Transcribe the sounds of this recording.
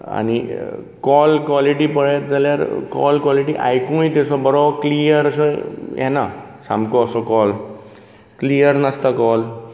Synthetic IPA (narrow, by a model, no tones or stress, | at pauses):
a̰ñi | kɔlkwɔliʈiːpəɭɛt̪d͡zaljaɾkɔ̰lkwɔliʈiʔa̰jkũjt̪esɔbɔɾɔklijəɾəsɔjɛ̰nasãmbkɔːsɔkɔl | klijəɾnast̪akɔl